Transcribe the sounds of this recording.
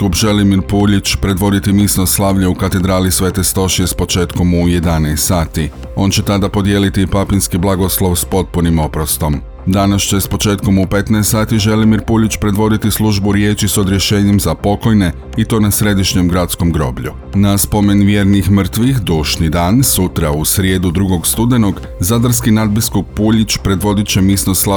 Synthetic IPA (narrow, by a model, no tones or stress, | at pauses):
kupʒe̞limiɾpuːʎit͡ɕpɾe̞d̪ʋo̞d̪it̪imiːsnoslˠaːʋʎeukat̪e̞d̪ɾaːlisʋe̞t̪e̞st̪o̞ʃiespo̞t͡ʃe̞ːt̪ko̞muje̞d̪anɛest̪saːt̪i | o̞nt͡ɕe̞t̪ad̪apo̞d̪je̞ːlit̪ipapinskiblˠaɡo̞slˠo̞ʋspo̞t̪̚punimo̞pɾost̪o̞m | d̪anast͡ɕe̞spo̞t͡ʃe̞ːt̪ko̞mupe̞t̪nɛest̪aːt̪iʒe̞limiɾpuːʎit͡ɕpɾe̞d̪ʋo̞d̪it̪islˠuʒbuɾje̞ːt͡ʃiso̞d̪ɾjeʃe̞ːɲe̞mzapo̞ko̞jne̞ | it̪o̞ːnasɾe̞d̪iʃɲe̞mɡɾat̪sko̞mɡɾo̞̰ːbʎu | naspo̞me̞nʋje̞ːɾnixmr̩t̪ʋixd̪uːʃnid̪aːnsut̪ɾausɾje̞ːd̪ud̪ɾuɡo̞ɡst̪ud̪e̞no̞ɡ | zad̪aɾskinad̪̚biskuk̚puːʎit͡ɕpɾe̞d̪ʋo̞d̪it͡ɕe̞misnosla